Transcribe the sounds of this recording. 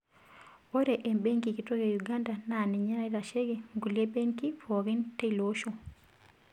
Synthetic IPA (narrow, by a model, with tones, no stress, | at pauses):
o˦ɾe˨ʔe˨mbe˦ŋɡi˨ki˨to˦ɣeju˨ɡa˦nda˨na˨nɛ˨ɲa˦ɾa˦iɾa˨ʃe˦ɡeŋɡu˨lje˦be˦ŋki˦fɔ˨ɣi˦nte˦i˨loʃo